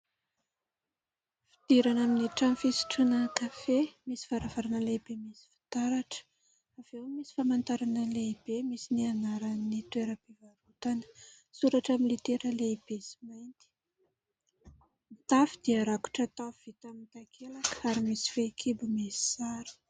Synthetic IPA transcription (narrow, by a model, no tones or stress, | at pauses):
fid̪̥iɾanaminiʈ͡ʂamfisi̥ʈ͡ʂunəkafemisi̥v̥aɾavaɾanəleib̥emisi̥fi̥t̪aɾaʈ͡ʂə̥ | av̥ewmisi̥famant̪aɾanəleib̥emisinianaɾanit̪weɾəbevaɾut̪anə̥ | suɾaʈ͡ʂamilit̪eɾəleib̥esi̥majnt̪i̥ | mit̪afid̪̥iəɾaku̥ʈ͡ʂət̪afv̥it̪amint̪akʰelakaɾimisi̥fekʰibumesi̥saɾi̥